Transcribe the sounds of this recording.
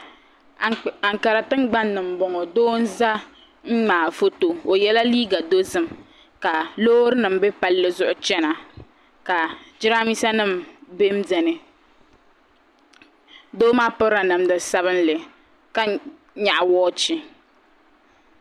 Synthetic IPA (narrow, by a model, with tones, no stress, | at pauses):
a˨ŋka˨ɾa˨tɨ˦ŋ˦ɡ͡ba˦nːɨ˨m̩˨bɔ˨ŋɔ˨doː˦n̩˦za˦ | ŋ̩˦ŋ͡maː˨fo˦to˨o˨jɛ˦la˦liː˦ɡa˨do˦zɨ˦m | ka˨loː˦ɾɨ˦nɨ˨m̩bɛ˦pa˦lːɨ˦zʊ˦ʔʊ˦t͡ʃɛ˦na˨ | ka˨d͡ʒɪ˦ɾa˦mi˦sa˦nɨ˦˨mbe˦m̩˦dɛ˨nɨ˦ | doː˦maː˦pɨ˦ɾa˨nɨ˨mdɨ˨sa˦βɨ˦n˦lɨ˨ | ka˦ | ɲa˨ʔa˨wɔː˦t͡ʃi˦